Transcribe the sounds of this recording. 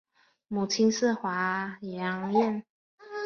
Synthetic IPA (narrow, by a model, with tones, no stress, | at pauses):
mu˨˩t͡ɕʰi˥ns̩˥˨xwa˨˥˦jɑ˧˦˥ŋjɛ˥˨n